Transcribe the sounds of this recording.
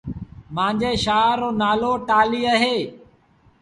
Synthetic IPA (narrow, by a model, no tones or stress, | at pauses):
mãːnd͡ʒeːʃaːɾːoːnaːloːʈaːliːəɦeː